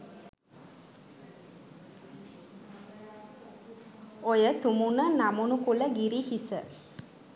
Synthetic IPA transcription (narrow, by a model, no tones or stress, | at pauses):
ojət̪umunənamunukuləɡiɾihisə